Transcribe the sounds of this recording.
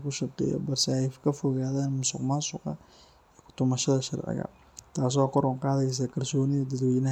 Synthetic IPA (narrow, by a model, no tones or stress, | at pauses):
kʰʊʃɐbt̪ʰɛ̰jɔ̰bɐrsɛɛjkʰɐfɔɣaːðaːnmʊsʊ̰qmansʊqɑ̰ | iːkʊ̥t̪ʰʊmɐʃɐðɐʃɐɾʕɪ̰ɣɐ̰ | t̪ʰaːs̬ɔkɔɾɔŋqɑːðɛjs̬akʰɐrsɔːnɪðɐd̪ɐd̪wɛnɐ